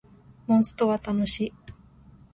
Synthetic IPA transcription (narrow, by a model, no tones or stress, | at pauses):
mõɰ̃sɨ̥t̪o̞βat̪anoɕi